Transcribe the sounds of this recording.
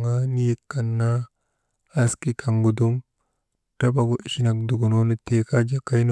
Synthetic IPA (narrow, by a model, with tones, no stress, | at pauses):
ŋa˦ni˦je˦kːa˨nːaː˦ | ski˦kʰa˨ŋɡu˨du˦m | ta˦ba˨ɡo˦ʔi˨ʃi˦na˨k̚du˨ɡu˨no˦ni˦te˨ka˦d͡ʒa˦ka˦jno˦